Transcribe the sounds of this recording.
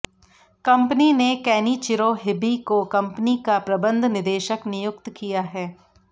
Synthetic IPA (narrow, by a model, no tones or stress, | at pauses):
kɐ̃mpninekɛːnit͡ʃɪɾoɦɪbikokɐ̃mpnikapɾɐbə̃nd̪ʱnɪd̪eːʃəknɪjʊk̚t̪kijaɦɛː